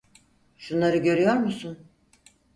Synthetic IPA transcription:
ʃunlˠaɾɯɟø̞ɾyjo̞ɾmusun

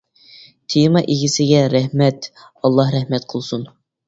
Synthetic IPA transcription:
t̪ʰemɑʔeɡʲɪsɪɡʲɛɾɛhmɛt̪ | ɑlˠːɑhɾɛhmɛt̪qʰəlˠsun

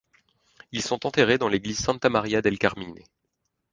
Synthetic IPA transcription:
ilsɔ̃t̪ɑ̃t̪eʁed̪ɑ̃leɡliz̥sɛ̃t̪amaʁjad̪ɛlkaʁmine

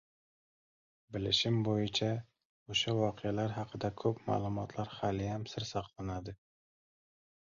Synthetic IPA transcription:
bɪlɪʃɪmbojɪt͡ʃʰa | oʃavɒqʰejalaɾɦɑqʰɨd̪akʰɵpma̰ːlˠʊmɒt̪ʰlaɾχalɪjamsɪɾsɑqlˠanad̪ɪ

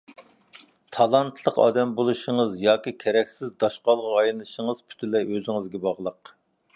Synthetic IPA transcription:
t̪ʰɑlˠɑnt̪ʰlˠəqɑ̰ːd̪ɛmbolˠuʃəŋəzjɑːkʲikʲʰɛɾɛkʲsɪzd̪ɑʃqɑlˠʁʁɑjnɨʃəŋəz̥pʰy̥t̪ʰɪlɛøzɪŋɨzɡʲɛbɑʁlˠəq

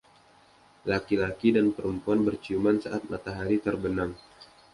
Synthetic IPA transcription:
lakilakidanpəɾəmpuanbərt͡ʃiumansaʔat̪̚mat̪aɦaɾit̪ərbənaŋ

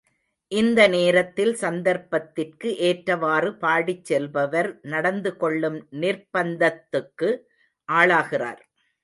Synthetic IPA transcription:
ʔɪnd̪ɐneːɾɐt̪ːɪlsɐnd̪ɐɾpɐt̪ːɪrkɯʔeːʈɾɐʋaːrɯpaːɽɪt͡ʃːɛlbɐʋɐɾnɐɽɐnd̪ɯkɔɭːɯmnɪɾpɐnd̪ɐt̪ːɯkːɯ | ʔaːɭaːɣɪra̰ːɾ

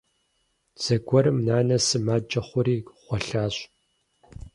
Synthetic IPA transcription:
t͡sɐɡʷɔɾɨmnaːnɐsɨmaːd͡ʒʼɐχʷʊɾiːχʷɔɬaːɕ

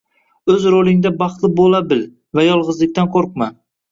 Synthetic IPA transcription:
ɵzɾolˠɪŋd̪abɑχt̪lˠɪbolabɪl | vajɒlˠʁɨzlɪk̚ʲt̪anqʰoɾq̚ma

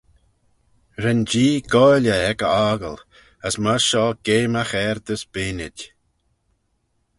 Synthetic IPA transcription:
ɾɛnd͡ʒiːɡɔlʲəɛkəaːɡəl | əsməʃɔːɡ̥eːməxɛɾd̪əsb̥ɪːnɪdʲ

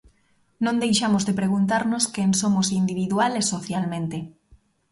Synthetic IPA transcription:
nõnd̪ejʃamozðepɾeɣ̞unt̪aɾnoskensomosind̪iβ̞iðwalesoθjalmẽnt̪e

